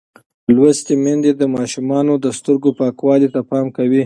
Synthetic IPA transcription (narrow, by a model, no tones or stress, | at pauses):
lwast̪emand̪ed̪əmɑʃumɑnod̪əst̪əɾɡopɑkwɑlit̪apɑmkawi